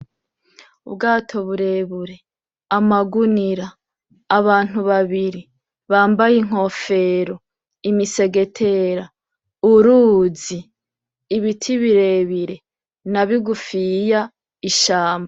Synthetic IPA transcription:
ubɡaːtʰo̞βuɾe̞βuɾe̞ | amaɡuniɾaː | βaːn̥uβaβiɾi | βaːmbajiŋ̥o̞fe̞ɾo | imise̞ɡe̞tʰe̞ɾa | uɾuːziː | βitʰiβiɾe̞βiɾe̞ | naβiɡufija | iʃaːmba

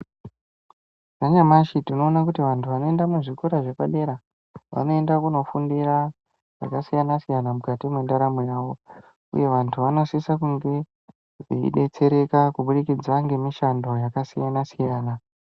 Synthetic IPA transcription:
ʐaɲamaʃitino̞ːnakutiʋantʰuʋano̞e̞ndamuʐikuɾaʐepaɗe̞ɾa | ʋa̰no̞e̞ndakuno̞fundira | ʐ̥a̰kasijanasijanamukatimwe̞ndaɾamujaːʋo̞ | ṵje̞ʋantʰuʋano̞sisakuŋɡe̞ | ʐḭḭɗe̞t͡se̞ɾe̞kakuɓuɗikid͡zaŋɡe̞miʃando̞jakasijanasijaːna

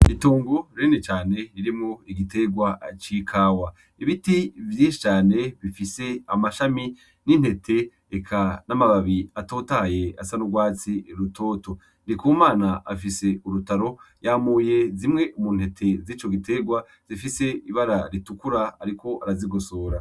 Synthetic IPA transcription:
ituːŋɡoɾiinet͡ʃaːne̞ɾiɾimŋoiɡite̞ɡwat͡ʃikʰaːwa | iβitivjiːnʃi̥t͡ʃaːne̞βifise̞amaʃami | nin̥he̞tʰe̞ː | kʰanamaβaβiatoːtaje̞asanuɡwaːt͡siɾutʰo̞ːto̞ | nikumaːnaafise̞uɾutaɾo̞jaːmuːje̞zimŋe̞ʔumuːn̥e̞tʰe̞zit͡ʃo̞ɡite̞ɡwa | z̥ifise̞iβaɾaɾitukuɾa̰ːɾikʰo̞ʔaɾaziɡosoːɾa

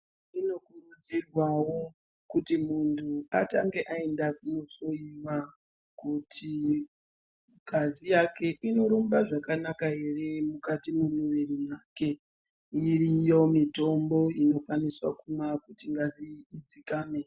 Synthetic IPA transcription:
ino̞kurud͡zirwawo̞ | kutimuntʰua̰taŋɡe̞ʔae̞ndakuno̞so̞iʋa | kutʰi | ɡ̥ʱazijake̞ʔino̞ɾumbaʐakanakaɦe̞re̞mukatimumuʋirimwake̞ | irijo̞mito̞mbo̞ino̞kwaniswa̰kumakutiŋɡaziːd͡zikaːme

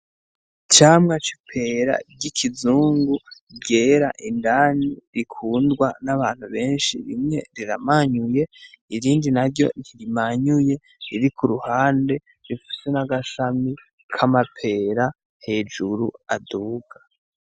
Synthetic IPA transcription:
t͡ʃaːmŋat͡ʃi̥pʰe̞ɾa̰ɟikʰizuːŋɡu | ɟe̞ɾaʔindaːniɾikʰuːndɡwanaβaːn̥huβe̞ːnʃḭɾḭmŋe̞̰ɾiɾamaɲuje̞ | iɾiːndinaɾɟo̞̰niɾimaɲuje̞ | iɾikʰuɾuhaːnde̞ | ɾifi̥senaɡaʃami | kʰamapʰe̞ɾa | he̞ːd͡ʒuɾuaduːɡa

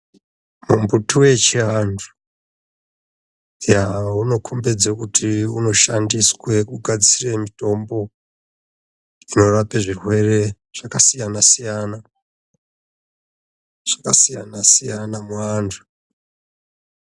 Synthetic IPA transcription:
mumbutuwe̞t͡ʃiɦantʰu̥ | jauno̞kʰombed͡zakutʰiuno̞ʃandiswe̞kuɡʱad͡zire̞mito̞mbo̞ | ino̞rapeʐirwe̞re̞ | ʐ̥akasijanasijana | ʐ̥akasijanasijanamuantʰu̥

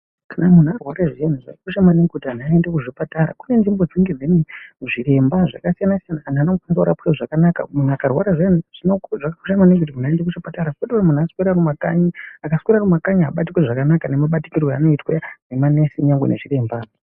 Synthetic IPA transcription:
kanamun̤uarwaɾaʐijanuʐa̰ikuʃamaneŋɡekutianuaendekuʐipataɾa̰kune̞nʐimbod͡ziŋɡed͡zeneʐiɾe̞mbaʐa̰kasijanasijanaːnanomkwanizauɾa̰peʐakanaka̰munuakarwaɾaʐijanuʐ̥inokʐakaku̥ʃamaneŋkut̬imunaendek̬uʃipataɾakkutiunamunasweɾaɾumakaɲiakasweɾarumakaɲiɦaɓatikweʐakanakane̞maɓati̥kirwea̰no̞itweanemane̞siɲaŋɡweneʐiɾe̞mbaː

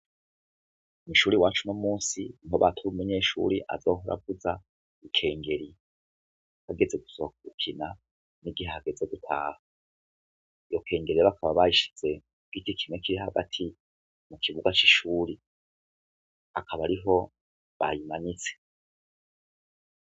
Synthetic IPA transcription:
umuʃuːɾiwaːt͡ʃunomuːsiniɦoβa̰tʰuβumeɲe̞ːʃṵːɾiʔa̰zo̞ːɦoɾa̰vuza | ikʰe̞ːŋɡe̞ɾi | haɡe̞ze̞ɡu̥soakuukʰina | niɡihehaɡe̞zeɡutʰa̰ːha | ijo̞kʰe̞ːŋɡeɾijβakʰaβaβaiʃi̥z̥e̞ | ɡ̥ikikʰimŋekiɾiɦaɡa̰tʰi | mukʰiβuɡat͡ʃiʃuːɾi | akʰaβaɾiɦo̞ | βa̰jimanit͡se̥

